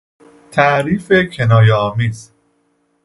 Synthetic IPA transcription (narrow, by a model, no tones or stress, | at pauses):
t̪ʰæʔɾiːfecʰe̞nɒːjeɒːmiːz